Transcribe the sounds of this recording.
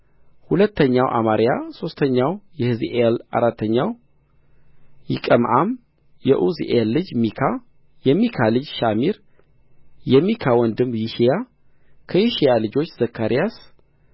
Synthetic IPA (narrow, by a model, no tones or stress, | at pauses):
hulət̪ːəɲːawʔa̰maɾjaso̞st̪ʰəɲːawjɛhɨziʔela̰ɾat̪ʰːəɲːaw | jɪkʼəmʔam | jɛʔuziʔelːɨd͡ʒmikʰa | jɛmːikʰalɨd͡ʒʃamiɾ | jɛmːikʰawɔnd̪ɨmjiʃija | kʰəjiʃijalɨd͡ʒo̞t͡ʃːz̥əkʰːaɾijas